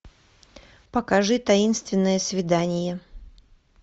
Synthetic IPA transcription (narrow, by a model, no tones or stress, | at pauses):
pəkɐʐɨt̪ɐinst̪vʲɪnːəjəsvʲɪd̪anʲɪjə